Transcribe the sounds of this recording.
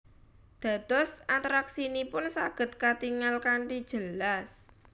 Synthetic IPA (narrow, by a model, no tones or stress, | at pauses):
d̪̥a̤d̪̥ɔsat̪ɾaksinipʊnsaɡ̥ə̤t̪̚kat̪iŋalkaɳʈid̥ʒ̥əlas